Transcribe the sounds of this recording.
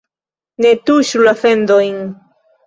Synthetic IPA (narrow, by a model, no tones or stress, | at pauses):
net̪uʃulafend̪ojŋ